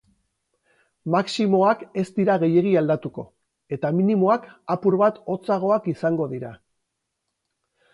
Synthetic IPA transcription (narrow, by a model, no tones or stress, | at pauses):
maksimo̞ake̞st̪iɾaɣ̞e̞je̞ɣiald̪at̪uko̞̰ | e̞t̪aminimo̞akapuɾβat̪o̞t͡saɣ̞o̞akisaŋɡo̞ðiɾa